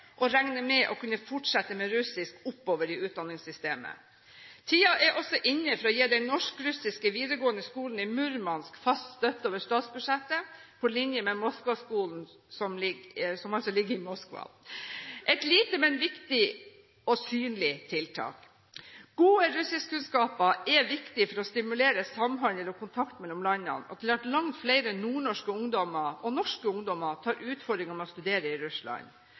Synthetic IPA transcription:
ʔɔɾæŋnəmɛʔɔkʉnːəfɔʈʂɛt̪ːəmɛɾʉsɪskʊpːoːʋəɾɪʉːt̪̚d̪ɑnɪŋsʏst̪eːmə̰ | t̪ʰiːɑʔɛɾʔɔsɔʔɪnːəfɔɾɔjeːd̪ɛnnɔʂkɾʉsɪskəʋiːd̪əɾɡoːənəskuːln̩ɪmʉɾmɑnskfɑst̪st̪œt̪ːoːʋəʂt̪ɑːt̪sbʉd̪ʂɛt̪ːəpʰɔlɪnjəmɛmɔskʋɑskuːln̩ | sɔmlɪɡsɔmɑlsɔlɪɡːəɾɪmɔskʋɑ̰ | ʔɛt̪liːt̪əmɛnʋɪkt̪ɪ | ɔsyːnlɪt̪ʰɪlt̪ʰɑ̰ːk | ɡ̥uːəɾʉsɪskkʉnskɑːpəɛʋɪkt̪ɪfɔɾɔst̪ɪmʉleːɾəsɑmɦɑŋɛlɔkʰʊnt̪ʰɑkt̪mɛlɔmlɑɲːɑ̰nɔ̰t̪ʰɪlʋæʈlɑŋt̪flæɪɾənuːɳɔʂkəʊŋd̪ɔmɑɔnɔʂkəʊŋd̪ɔmɑt̪ʰɑːɾʔʉːt̪fɔɖ̪ɾɪŋɔmɔst̪ʉd̪eːɾəɪɾʉslɑ̰ɲ

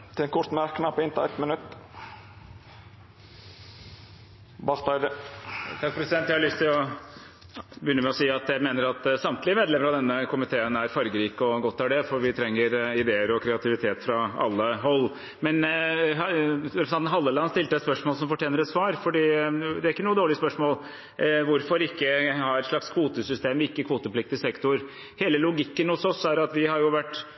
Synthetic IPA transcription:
t̪ʰɪɛnkʰʊɾt̪mæɾkːnɑpɪnt̪ɑɛt̪mənʉt̪ː | bɑɾt̪ɑɪd̪ət̪ʰɑk̚ːpʰɾɛsɪd̪ɛnt̪jæhɑlʏst̪ʰɪlɔ | bʏʏnːəmɛɔsiːɑt̪jæɪmeːnəɾɑt̪sɑmt̪lɪəmeːd̪lɛməɾɑʋd̪ɛnːəkʊmɪt̪ʰeːənæɾfɑɾɡəɾiːkɔɡɔt̪ːæɖɛfɔɾʋɪt̪ʰɾɛŋːəɾɪd̪eːəɾɔkʰɾɛɑt̪ʰɪʋɪt̪ʰeːt̪fɾɑɑ̰lːəɦɔlː | mɛn | ɾɛpsɑnn̩ɦɑlːəlɑɑnst̪ɪlt̪əæspœʂmoɔːləsɔmfɔʈʰjeːnəɾɛt̪sʋɑːɾfɔɖiːd̪ɛæɾɪkːənuːəd̪oːɭɪspœʂmoːl | ʋʊɾfɔɾɪkːəhɑɾʂɭɑkskʰʋuːt̪əsʏst̪eːmɪkːəkʰʋuːt̪əpʰlɪk̚t̪ɪsɛkt̪ʊɾ | heːləlʊɡɪkːənhʊsɔsæɾɑt̪ʋɪhɑɾjʊʋæʈː

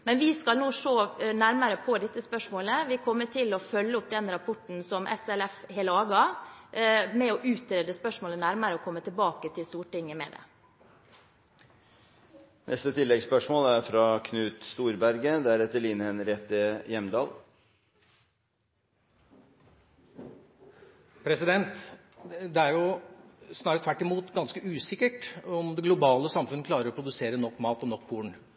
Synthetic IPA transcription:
mɛnʋɪskɑlnuːʂoːnæɾməɾəpʰɔd̪ɪt̪ːəspœʂmoːləʋɪkʰɔmːəʈʰɪlɔfœlːəʊp̚d̪ɛnɾɑpʰɔʈn̩sɔmʔɛ̰sɛlɛfheːləɑːɡɑ | mɛɔʔʉːt̪ɾeːd̪əspœʂmoːlənæɾməɾəɔkʰɔmːət̪ɪlbɑːkət̪ʰɪlst̪uːʈɪŋːəmɛ̰d̪ɛ̰ | nʔɛ̰st̪ət̪ʰɪlːɛɡspœʂmoːlæɾfɾɑkʰnʉːt̪st̪uːɾbæɾɡəd̪ɛæɾɛt̪əɭiːnəɛnɾɛt̪əjɛmd̪ɑːl | pʰɾɛsɪd̪ɛnt̪ | d̪ɛæɾjʊ | snɑːɾət̪ʰʋæʈːɪmuːt̪ɡɑnskəʉːsɪkːəʈɔmd̪ɛɡlʊbɑːləsɑmfʉnːəkʰlɑːɾəɾɔpɾʊd̪ʉseːɾənɔkːmɑːt̪ɔnɔkːbuːɳ̩

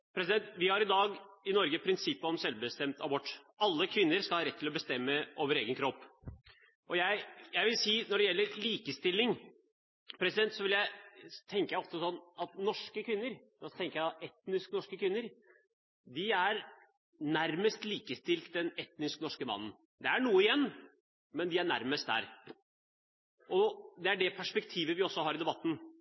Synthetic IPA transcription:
pʰɾɛsɪd̪ɛnt̪ʋɪhɑɾɪd̪ɑːɡɪnɔɾɡəpʰɾɪnsɪpːəɔmsɛlʋbəst̪ɛmt̪ɑbɔʈː | ɑlːəkʰʋɪnːəɾskɑlhɑːɾɛt̪ʰːɪlɔbəst̪ɛmːəʔoːʋəɾeːɡənkʰɾɔpː | ʔɔjæɪjæɪʋɪlsiːnɔɖɛjɛlːəɾliːkəst̪ɪlːɪŋ | pʰɾɛsɪd̪ɛnt̪sɔʋɪljæɪt̪ʰɛŋkəjæɪɔft̪ɔsɔnːɑt̪nɔʂkəkʰʋɪnːəɾd̪ɑt̪ɛŋkəjæɪɑt̪ɛt̪nɪsknɔʂkəkʰʋɪnːəɾ | d̪ɪæɾ | næɾməst̪liːkəst̪ɪlt̪d̪ɛnɛt̪nɪsknɔʂkəmɑ̰nːn̩ | d̪ɛæɳuːəɪjɛnː | mɛnd̪ɪæɳæ̰ɾməst̪d̪æ̰ɾ | ʔɔd̪ɛæɖɛpʰæʂpɛkt̪ʰiːʋəʋɪɔsːɔhɑːɾɪd̪ɛbɑt̪ːn̩

